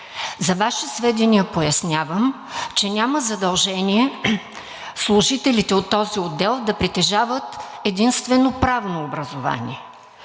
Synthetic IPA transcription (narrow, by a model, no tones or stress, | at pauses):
zɐvaʃɛsvɛd̪iniɐpojɐsnʲavəm | t͡ʃɛnʲaməzɐd̪ɐlˠʒɛnʲiɛ | slˠʊʒit̪ɛlit̪ɛot̪ːɔziod̪ːɛlˠd̪ɐpɾit̪ɛʒavət̪ɛd̪inst̪vɛnopɾavnoːbɾɐzova̰nḭɛ